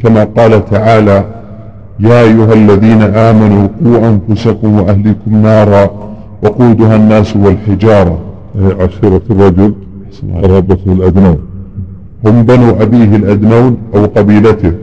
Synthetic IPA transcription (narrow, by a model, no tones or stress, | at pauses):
kamaːqɑːlat̪aʕaːla | jaːʔajːʊɦalːaðiːnaʔaːmanuːquːʔanfʊsakʊmwʔahliːkʊmnɑːɾˤɑ | wɑquːd̪ʊɦanːaːswalħɪd͡ʒɑːɾˤɑ | ʔaʕaʃiːɾˤɑtrˤːɑd͡ʒʊl | nɾˤɑbat̪halʔad̪naːn | hʊmbanuːʔabiːɦɪlʔad̪naːnʔawqɑbiːlat̪ɪh